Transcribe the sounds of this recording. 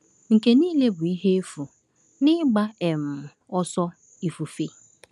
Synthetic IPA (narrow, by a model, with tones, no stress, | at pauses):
ŋ̩˨ke˦niː˦le˦bʊ˨i˦ɦe˦e˦fu˨ | nɪ˦ɡ͡ba˦ɛ˨m̩˨ | ɔ˦sɔ˦ | i˨fu˨fe˦